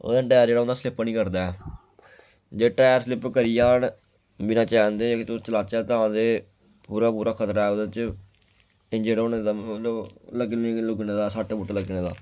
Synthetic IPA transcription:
o̰ːd̪aːʈɛːəɾd͡ʒeːɽaoʊnd̪aːslɪpnĩːkəɾd̪aːɛː | d͡ʒeːʈɛːjəɾslɪpkəɾɪjaːn | bɪnãːt͡ʃɛːnd̪eːt̪ot͡ʃəlaːt͡ʃɛːt̪ãːd̪eː | puːɾaːpuːɾaːkʰət̪ɾaːɛːod̪ət͡ʃ | ɪ̃d͡ʒeːɽaoneːd̪aːlləɡelʊɡneːd̪aːsaːʈeːbʊʈːləɡnẽːd̪a̰ː

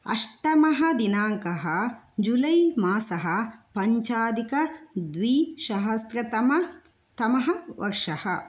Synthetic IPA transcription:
ɐ̰ʂʈɐmɐɦɐ̆d̪inaːŋkɐɦɐd͡ʒulɐjmaːsɐɦɐpɐɲt͡ʃaːd̪ikɐd̪ʋiːʃɐɦɐst̪ɾɐt̪ɐmɐ | t̪ɐmɐɦɐʋʔɐ̰ɾʂɐhɐ̰

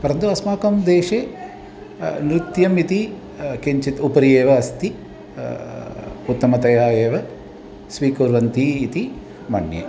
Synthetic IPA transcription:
pɐɾɐnt̪uɐsmaːkɐmd̪eːʂeː | nɾit̪jɐmit̪i | keɲt͡ʃit̪upɐɾijeːʋɐːst̪i | ut̪ːɐmɐt̪ɐjaːjeːʋɐ | sʋiːkuːɾʋɐnt̪iːt̪i | mɐɳjḛ

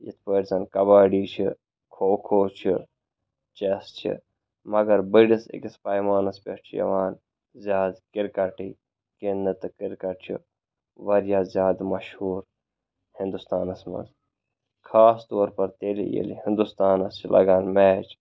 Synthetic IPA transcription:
jḭt̪ʰpəːʈʲzɐnkɐbaːɖiːt͡ʃʰi | kʰoːkʰoːt͡ʃʰi | t͡ʃest͡ʃʰḭ | mɐɡɐɾbəɖisḭkispaːjmaːnɐspʲɐ̰st͡ʃʰijɐ̰ʋaːn | zʲjaːd̪kiɾkɐʈi | kenːɐt̪ɨkiɾkɐʈ̚t͡ʃʰḭ | ʋɐɾjaːzjaːd̪mɐʃhuːɾ | hɪnd̪ust̪aːnɐsmɐ̰nz | kʰaːst̪oːɾpɐɾt̪eːlḭjḛlḭhind̪ust̪aːnɐst͡ʃʰilʔɐ̰ɡaːnmɛːt͡ʃ

